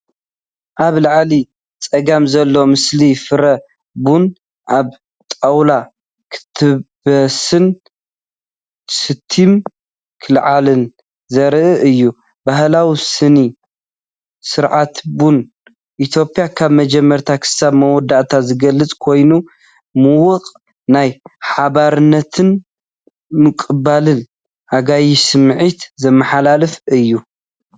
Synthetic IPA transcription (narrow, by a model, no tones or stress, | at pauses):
ʔaβlaʕli | t͡sʼɐɡamzɐlːomɨslifɨɾɐ | bun | ʔaβ | t̪ʼawla | kʰɨ̥t̪ʰɨbɐsɨn | sɨt̪ʰːim | kʰɨlʕalɨn | zɐɾʔɨʔɨjːu | baɦlawisɨni | sɨɾʕat̪bun | ʔit̪ʰjo̞pʼijakʰaβmɐd͡ʒɛmːɐɾt̪ʰakʰɨ̥saβmɐwɔd̪aʔt̪ʰazɨɡɐlːɨt͡sʼkʰo̞jnu | mɨwʊqʼ | najħaβaɾɨnːɐt̪ʰɨn | mɨkʼɨbalɨn | haɡajisɨmʕit̪zɐmːɐħalalɨfɨjːu